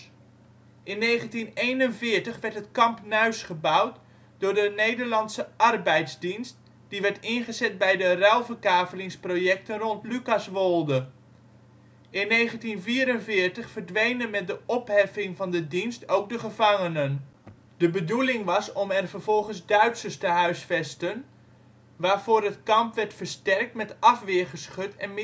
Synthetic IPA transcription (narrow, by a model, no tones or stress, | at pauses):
ʔɪnːejχəntinejnənvɪːɹtəχʋɛɹtɦətkɑmpnœɥsχəbʌwt | d̥ʊːɹdənejdəɹlɑntsəʔɑrbɛjtzdinst̚ | d̥iʋɛɹtɪnχəzɛt̚bɛjdərɛlˠvəɹkaːvəlɪŋsprojɛk̚tənrɔntlykɑsʋolˠdə | ʔɪnːejχəntinviːɾənvɪːrtəχfərdʋejnənmɛt̚dəɔpɦɛfɪŋvɑndədinstowk̚dəχəvɑŋənən | dəbədulɪŋʋɑsɔmɛrvərv̥ɔlˠχənzdœɥtsəstəɦœɥsfɛstən | ʋaːɹv̥oːrətkɑmpʋɛɹtfəɹstɛrk̚tmɛtɑfʋɪχəsχɵtɛnm